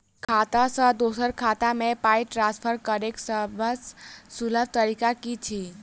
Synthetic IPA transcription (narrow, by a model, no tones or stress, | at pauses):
kʰat̪asə̃d̪oːsəɾkʰat̪amẽpaiʈɾãnspʰəɾkəɾeksəbəsːuləbt̪əɾikakit͡ʃʰi